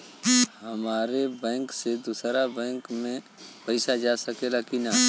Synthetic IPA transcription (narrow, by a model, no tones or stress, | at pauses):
hɐmaːɾebɛ̃ːŋksed̪usɾabɛ̃ːŋkmẽ | pɐɪsad͡ʒaːsɐkelakina